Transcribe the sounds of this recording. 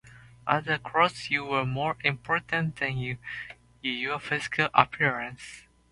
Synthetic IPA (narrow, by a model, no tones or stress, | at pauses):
ʔadəkʰɹɔsjuwəmɔɹĩmpʰɔtə̃ndɛ̃n | jɔfɪzɪ̥kʰəlʔə̰pʰiɹə̃ns